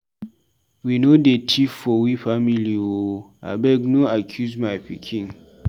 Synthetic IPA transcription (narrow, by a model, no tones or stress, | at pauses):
winodetʰifɔwifamiliwo | a̰bɛɡnoakʰjusmaɪpʰḭkʰĩŋ